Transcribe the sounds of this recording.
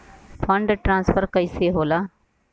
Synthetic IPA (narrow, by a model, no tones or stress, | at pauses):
pʰəɳɖʈɾãːnsfʰəɾkəiseːɦoːlaː